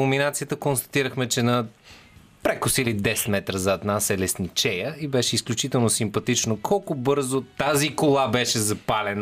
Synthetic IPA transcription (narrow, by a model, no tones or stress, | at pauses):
ominat̪sijət̪əkonst̪ɐ̥t̪iɾəxmɛt͡ʃɛnɐ | pɾɛkʊsilid̪ɛsɛ̥t̪mɛt̪ɾəzat̪nasɛlɛsnit͡ʃɛjəibɛʃɛisklʲut͡ʃit̪ɛlˠnosimpɐt̪it͡ʃnokʰɔlˠkʊbɤɾzot̪azikolˠabɛʃɛzɐpalɛn